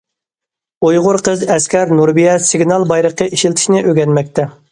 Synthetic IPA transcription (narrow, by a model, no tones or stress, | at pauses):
ujʁʊɾqʰəzɛskʲɛɾnuɾbijɛsiɡnɑlˠbɑjɾəqːəʔiʃilt̪ʰɪ̥ʃnɪʔøɡʲɛnmɛk̚ʲt̪ʰɛ